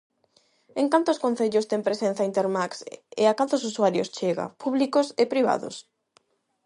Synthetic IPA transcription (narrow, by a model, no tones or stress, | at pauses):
ẽŋkant̪oʊːskõn̟θeʎʊst̪ɛŋpɾesen̟θaint̪eɾmaksḛakant̪ʊsuswaɾjo̰st͡ʃeɣa̰puβlikʊsepɾiβa̰ðʊ̰s